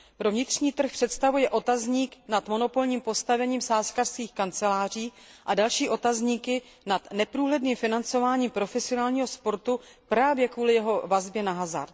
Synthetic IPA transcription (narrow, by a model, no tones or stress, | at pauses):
pɾo̞vɲɪt̪r̥ɲiːt̪r̩xpr̥ɛt̪st̪avujɛʔo̞t̪azɲiːknat̪mo̞no̞po̞lɲiːmpo̞st̪avɛɲiːmsaːskar̥skiːxkant͡sɛlaːriː | ʔadalʃiːʔo̞t̪azɲiːkɪ | nat̪nɛpɾuːɦlɛdniːmfɪnant͡so̞vaːɲiːmpɾo̞fɛsɪo̞naːlɲiːɦospo̞ɾt̪upɾaːvjɛkvuːlɪjɛɦo̞vazbjɛnaɦaza̰ɾt̪